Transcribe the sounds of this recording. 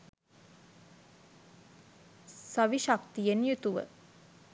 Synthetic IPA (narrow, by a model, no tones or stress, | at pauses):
saʋiʃakt̪ijenjut̪uʋə̰